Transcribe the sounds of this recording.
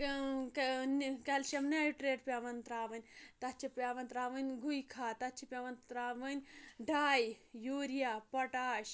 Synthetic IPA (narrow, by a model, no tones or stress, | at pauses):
nkɐlʃɐmneʈɾeːʈpʲaʋɐnt̪ɾaːʋɐnʲt̪ɐt͡ʃʰipʲaʋɐnt̪ɾaːʋɐnʲɡʱujkʰaːt̪ɐt͡ʃʰipʲɐʋɐnt̪ɾaːʋɐnʲɖʱaːjjuːɾijaːpɐʈaːʃ